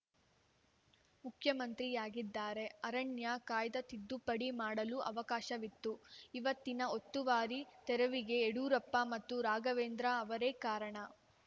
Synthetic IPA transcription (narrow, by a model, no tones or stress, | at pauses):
mukʰjɐmɐnt̪ɾijaːɡid̪ːaːɾe̞ɐɾɐɳjɐkaːjd̪ɐt̪id̪ːupɐɽimaːɽɐluʔɐ̰ʋɐkaːʃɐʋit̪ːuiʋɐt̪ːinɐo̞t̪ːuʋaːɾit̪ɛɾɐʋiɡe̞ːɽuːɾɐpːɐmɐt̪ːuɾaːɡɐʋeːnd̪ɾaɐʋɐɾeːkaːɾɐɳɐ